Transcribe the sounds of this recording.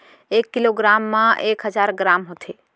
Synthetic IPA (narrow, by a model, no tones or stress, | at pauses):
ekːiloɡɾamːãʔekɦəd͡ʒaɾɡɾamɦot̪ʰe